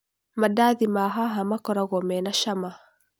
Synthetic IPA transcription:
madaðimaɦaɦamakɔɾaɣɔmɛnaʃama

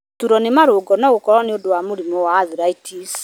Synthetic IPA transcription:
tuɾɔnemaɾoːɡɔnɔɣokɔɾɔneodowamoɾimɔwaːðiɾaitʰis

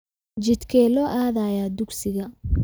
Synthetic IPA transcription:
d͡ʒɪt̪kʰɛːlɔːʔaːðajad̪ʊɡsɪɣɐ

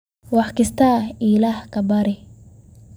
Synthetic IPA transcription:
wɑħkɪst̪ʰailahkɐbɐɾɪ

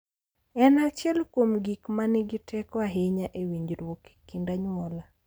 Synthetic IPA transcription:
ɛnat͡ʃjɛlkwomɡikmanɪɡɪtʰɛkɔaɦeɲaʔewiɲd͡ʒɾwoki̥kindaɲwɔla

